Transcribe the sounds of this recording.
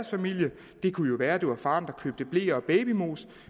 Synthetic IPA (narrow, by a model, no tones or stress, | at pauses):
ɐsfæmil̰jə | d̥e̝kʰujo̝ʋæːɐd̥eʋɑ̈fɑ̈ːnd̥ɑ̈kʰø̰ːb̥̚d̥əb̥le̝̰ːɐɒ̽b̥ɛːb̥imo̝̰ːs